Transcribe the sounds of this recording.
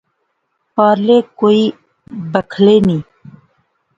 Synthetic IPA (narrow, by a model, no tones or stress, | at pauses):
pɑːɾlekoːi | bəkʰleni